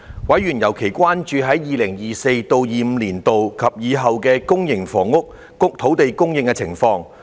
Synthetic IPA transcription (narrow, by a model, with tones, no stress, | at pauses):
wɐ˨˥jɥyː˨˩njɐ˨˩wkʰe˨˩jkʷwaː˥nt͡ʃyː˨˧ɦɐ˨˥jjiː˨lɪ˨˩ŋjiː˨˩se˧jt̪o˧wjiː˨m̩ː˨˧liː˨˩nt̪o˨wkʰɐ˨p̚jiː˨˧ɦɐ˨wkɛː˧kʊ˥ŋjɪ˨˩ŋfɔː˨˩ŋʊ˥k̚ːʊ˥k̚t̪ʰo˨˥wt̪e˨jkʊ˥ŋjɪ˨˧ŋkɛ˧t͡sʰɪ̰˨˩ŋfɔː˧ŋ